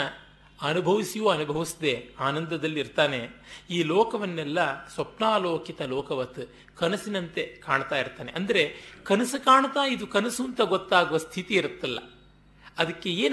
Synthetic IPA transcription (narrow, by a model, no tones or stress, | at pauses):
ɐnubʱɐʋisijoːɐnubʱɐʋisid̪e̞aːnɐnd̪ɐd̪ɐlːiiɾt̪aːne̞iːlɔːkɐʋɐnːɛlːɐswɐpnaːloːkit̪ɐlɔːkɐʋɐt̪ | kɐnɐsinɐnt̪e̞kaːɳt̪aːjiɾt̪aːneʔɐnd̪ɐɾe̞kɐnɐsɨkaːɳɐt̪aːid̪ukɐnɐsuːnt̪ɐɡot̪ːaːɡuʋɐst̪ʰit̪iːɾut̪ːɐlːɐ̰ | ɐd̪ɐkːe̞eːn